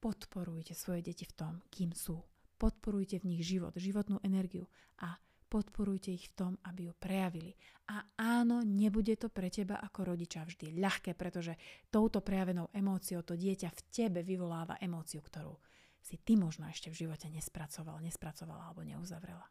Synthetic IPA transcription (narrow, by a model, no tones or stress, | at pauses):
pɔt̪pɔɾujcɛsʋɔjɛɟɛcift̪ɔmkiːmsuːpɔt̪pɔɾujcɛvɲiɣʒiʋɔ̰d̪ʒiʋɔt̪nuːʔɛnɛɾɡiju | ʔa | pɔt̪pɔɾujcɛixft̪ɔmabijupɾɛjaʋiliʔaaːnɔɲɛbuɟɛt̪ɔpɾɛcɛba̰ʔakɔɾɔɟit͡ʃavʒd̪iʎaxkɛːpɾɛt̪ɔʒɛt̪ɔʊt̪ɔpɾɛjaʋɛnɔʊʔɛmɔːt͡siɔʊt̪ɔɟɪɛcafcɛbɛʋiʋɔlaːʋa̰ʔɛmɔːt͡siukt̪ɔɾṵː | sit̪imɔʒnɔɛʃcɛvʒiʋɔcɛɲɛspɾat͡sɔʋa̰lɲɛspɾat͡sɔʋa̰laalɛbɔɲɛ̰uzaʋɾɛ̰la